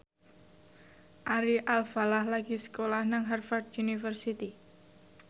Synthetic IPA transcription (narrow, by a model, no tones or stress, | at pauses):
ʔaɾiʔalfalahlaɡ̥isə̥kolahnaŋɦarfard̪unifərsit̪i